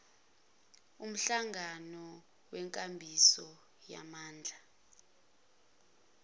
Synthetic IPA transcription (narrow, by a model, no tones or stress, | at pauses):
um̩ɬaŋanɔ | wɛŋkʼambʱisɔ | ja̰maːnd͡ɮʱa